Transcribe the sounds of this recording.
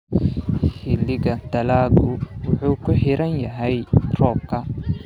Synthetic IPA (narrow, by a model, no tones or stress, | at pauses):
hɪlːɪɣɐd̪ɐlaːɡʊwʊħuːkʰʊħɪɾɐnjɐɦɛjrɔːb̚kʰɐ